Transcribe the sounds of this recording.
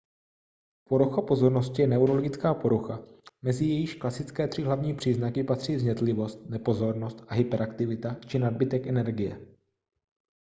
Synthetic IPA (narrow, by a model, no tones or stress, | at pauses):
po̞ɾuxapo̞zo̞ɾno̞scɪjɛnɛuɾo̞loɡɪt͡skaːpo̞ɾuxamɛzɪjɛjɪʃklasɪtt͡skɛːt̪r̥ɪɦlavɲiːpr̥iːznakɪpat̪r̝̥iːzɲɛt̪lɪvo̞st̪̚nɛpo̞zo̞ɾno̞st̪ʔaɦɪpɛɾakt̪ɪvɪt̪at͡ʃɪnad̚bɪt̪ɛkʔɛnɛɾɡɪjɛ̰